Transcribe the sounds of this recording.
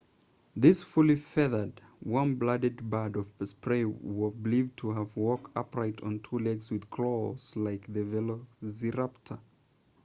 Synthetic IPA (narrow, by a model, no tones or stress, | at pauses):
ðɪsfʊlˠifɛðə˞dwʌ̃nblʌdɨd̚badʌvspʰɹeɪwɪblivtʰəəvwɔk̚tʌ̰pɹaɪɾn̩tʰulɛɡzwɨð̥kʰl̥olz̥laɪkðɨvɛloziɹaptʰə